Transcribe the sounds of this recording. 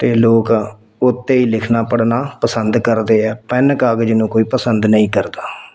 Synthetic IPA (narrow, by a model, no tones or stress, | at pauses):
t̪eːloːk | ʊt̪ːeːiːlɪkʰnaːpəɽnaːpəsənd̪kəɾd̪eːɛːpɛnəkaːɡd͡ʒɪnũːkoːiːpəsənd̪nəĩːkəɾd̪aː